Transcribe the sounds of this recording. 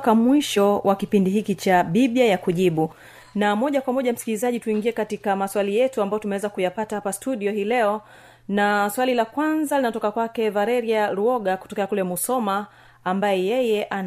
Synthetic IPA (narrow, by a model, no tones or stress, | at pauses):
kamwiʃɔwakipindihikit͡ʃaɓiɓjajakuʄiɓu | namɔʄakwamɔʄam̩skilizaʄituiŋɡiɛkatikamaswalijɛtuambajɔtumɛwɛzakujapatahapastuɗiɔhiːlɛɔ | naswalilakwanzalinatɔkakwakɛvalɛɾiaɾuɔɠaku̥tɔkɛakulɛmusɔmaː | mbajɛjɛjɛʔan